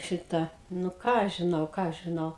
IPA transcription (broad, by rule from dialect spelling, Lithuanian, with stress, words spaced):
ˈʃʲɪtɑː nʊ ˈkɑː ɐʃ ʒʲɪˈnɐʊ ˈkɑː ɐʃ ʒʲɪˈnɐʊ